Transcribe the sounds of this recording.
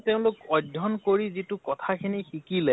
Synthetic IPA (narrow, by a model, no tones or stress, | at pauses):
teʊ̃lʊkɔdʱːɔnkoɹizitukɔtʰakʰinixikilɛ